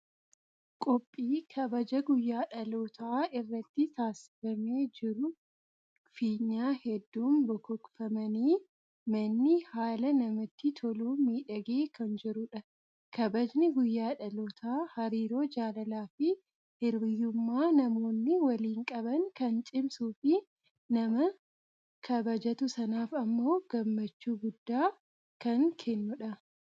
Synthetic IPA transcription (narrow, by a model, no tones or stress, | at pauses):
kʼɔpʼːiːkʰɐbɐd͡ʒɐɡʊjːaːᶑɐloːt̪ʰaːɪrːɐt̪ːɪt̪aːsɪ̥fɐme̞ːd͡ʒɪɾʊ | fiːɲːaːhɛd̪ːuːmbɔkɔkfɐmɐniː | mɐnːɪhaːlɐnɐmɐt̪ːɪt̪ʰɔluːmiːᶑɐɡeːkʰɐnd͡ʒɪɾʊᶑɐ | kɐbɐd͡ʒnɪɡʊjːaːᶑɐlɔt̪ʰaːhɐɾiːɾo̞ːd͡ʒaːlɐlaːfɪ | hɪɾbɪjʊmːaːnɐmo̞ːnːɪwɐliːŋkʼɐbɐŋkɐnt͡ʃʼɪmsuːfɪ | nɐmɐ | kʰɐbɐd͡ʒɐt̪ʊsɐnaːfɐmːo̞ːɡ̥ɐmːɐt͡ʃːuːɡʊd̪ːaː | kɐŋkʰɛnːʊᶑɐ